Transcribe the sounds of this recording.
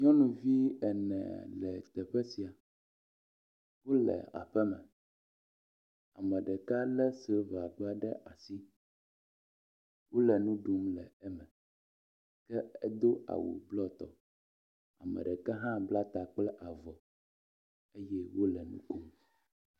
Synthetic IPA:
ɲɔ̃˦nũ˨vi˦ɛ˨nɛ̰̃˨lɛ̰˨t̪ɛ˨ɸɛ˦si˨a˨ | wo˦lɛ̰˨a̰˨ɸɛ˦mɛ̰̃˨ | a̰˨mɛ̃˨ɖɛ˨ka˦lɛ˦sə˨˦va˨ɡ͡ba˦ɖɛ˦ʔa˨si˦ | wo˦lɛ˨nũ˦ɖu˦mlɛ˨ɛ˦mɛ̃˨ | kɛ˦ɛ˦d̪o˦a̰˨wṵ˨blɔ˦t̪ɔ̰˨ | a̰˨mɛ̰˨ɖɛ˨kɛ˦ɦã˦bla˦t̪a˨k͡plɛ˦ʔa˨vɔ˨ | e˦jɛ˦wo˦lɛ˨nṵ̃˦ko˦

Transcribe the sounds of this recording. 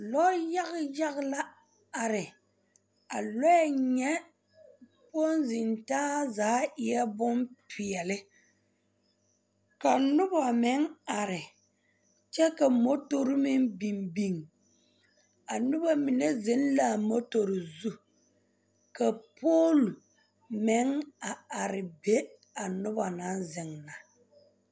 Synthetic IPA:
lɔ˦ja˦ɣɪ˦ja˦ɣɪ˦la˦ | a˨ɾɪ˨ | a˨lɔ˦ja˦ɲɛ˦ | po˦nzi˨ntaː˦zaː˨˦ɪ˦˨jɛ˦bʊ˦mpi˨ɛ˨lɪ˦ | ka˨nʊ˦ba˨mɪ˨˦ŋa˨ɾɪ˨ | t͡ʃɛ˦ka˨mo˦to˦ɾɪ˦mɪ˦ŋbi˨mbi˨ŋ | a˨nʊ˦ba˦mi˨ne˦zɪ˦n˦la˨mo˦to˨ɾɪ˨zu˦ | ka˨po˦lu˨ | mɪ˨˦ŋa˨a˨ɾɪ˨be˦ | a˨nʊ˦ba˨na˨˦nzɪ˨ŋna˨

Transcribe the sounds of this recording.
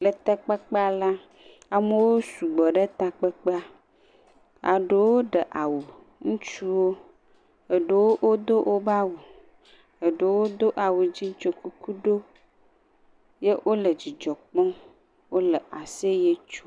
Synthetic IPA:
lə˨t̪a˦k͡pa˦k͡pa˦la˦ | a˨me˦wo˦su˨ɡ͡bɔ˨ɖe˦t̪a˨k͡pe˦k͡pa˦ | a̰˨ɖe˨wwo˦ɖə˨ʔa˨wu˨ | ŋũ˦t͡ʃu˦wo˦ | ə˨ɖe˦wo˦ʔwʔo˦d̪o˦ʔo˦ba˦wu˨ | ə˨ɖe˦wo˦d̪o˦ʔa˨wu˨d͡ʑi˦ŋ̩˦t͡ʃo˦ku˦ku˦ɖo˦ | je˦wʔo˦lə˨d͡ʑi˨d͡ʒɔ˨k͡pɔ̃˦ | wo˦lə˨ʔa˨se˦je˦t͡ʃu̥˦

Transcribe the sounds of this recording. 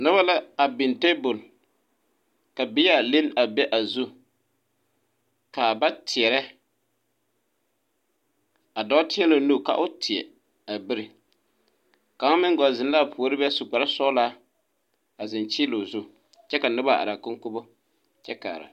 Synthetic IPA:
nʊ˦ba˦la˦a˨bɪ˨nte˦bʊ˨l | ka˨bɪ˦ja˨le˦n˦a˨bɛ˦ʔa˨zu˦ | kaː˨ba˦tʰɪ˨ɛ˨ɾɛ˦ | a˨dɔ˦tɪ˦ɛ˦lo˨nu˦˨ka̰˨ʔʊ˦tʰɪ˨ɛ̰˨ | a˨bɪ˦ɾɪ˨ | ka˨ʊ˦mɪ˦ŋ˦ɡɔ˨zɪ˨n˦la˦˨pʊ˨o˦ɾɪ˦bɛ˦sʊ˨k͡pa˨ɾa˦sɔ˦laː˦ | a˨zɪ˨nt͡ʃɪ˦lo˨zʊ˦ | t͡ʃɛ˦ka˨nʊ˦ba˦a̰˨ɾa˨kʊ˦ŋ˦kʊ˦bo˦ | t͡ʃɛ˦ka̰ː˨ɾa̰˨

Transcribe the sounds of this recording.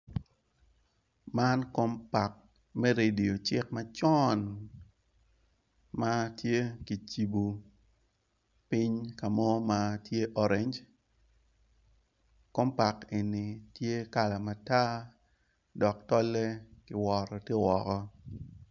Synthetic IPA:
ma˦nko˦mpa˨k̚ | mɛ˦ɾe˨di˨o˨t͡ʃɪ˦k̚ma˦t͡ʃɔ˦n | ma˦tje˦ki˨t͡ʃi˨bu˨ | pi˦ɲka˨mɔ˦ma˦tje˦ʔɔ˦ɾe˨˦ɲd͡ʒ | ko˦mpa˨ke˨nːi˨tje˦ka˦la˨ma˨ta˦ | dɔ˨ktɔ˦le˦kɪ˨wɔ˨ɾɔ˨tje˦wɔ˨kɔ˦

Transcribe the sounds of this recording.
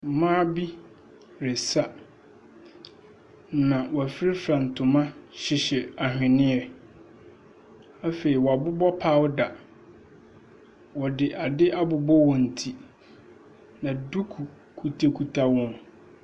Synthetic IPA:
m̩˨˦mãː˦bi˦ | ɾe˨sa˦ | nã˨wɔ˨æ˨fɪ˦ɾɪ˦fɾã˨n̩˨tʰʊ̃˨mã˦ɕɪ˨ɕɛ˨a˨hᶣɪ̃˨nɪ̃˦ɛ˨ | a˦fe˨ɾi˨wɔ˨a˨bʊ˦bɔ˦pʰa˦wʊ˦da˨ | wɔ˨dɪ˨ʔa˨dɪ˦ʔa˦bʊ˨bɔ˦wɔ̃˨n̩˨tʰi˦ | nã˨du˦kʰu˨ | kʰu˨tʰe˦kʰu˨tʰa˦wɔ̃˦˨n

